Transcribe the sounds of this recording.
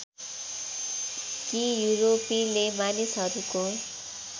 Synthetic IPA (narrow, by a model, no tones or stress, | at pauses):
kijuɾopilemanisɦʌɾuko